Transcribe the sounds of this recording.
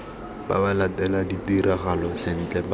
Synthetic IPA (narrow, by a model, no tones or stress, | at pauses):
ba̰balatɛladitiɾɛɣalɔsɪn̩t͡ɬʼɛb